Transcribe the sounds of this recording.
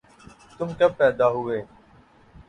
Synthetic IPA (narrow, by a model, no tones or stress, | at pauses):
t̪ʊmkepɛːd̪aːɦʊʋeː